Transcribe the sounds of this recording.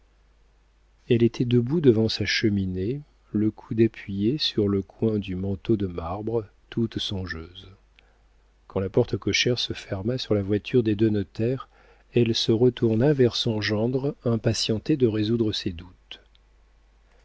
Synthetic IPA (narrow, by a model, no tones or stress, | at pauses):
ɛlet̪ʰɛd̪əbud̪əvɑ̃saʃəmine | ləkʰud̪apʰɥijesyʁləkwɛ̃d̪ymɑ̃t̪od̪əmaʁbʁə | t̪ut̪sɔ̃ʒøːz | kɑ̃lapɔʁt̪əkɔʃɛʁsəfɛʁmasyʁlavwat̪ʰyʁd̪ed̪ønɔt̪ɛʁ | ɛlsəʁət̪ʰuʁnavɛʁsɔ̃ʒɑ̃d̪ʁɛ̃pasjɑ̃t̪ed̪əʁezud̪ʁəsed̪ut̪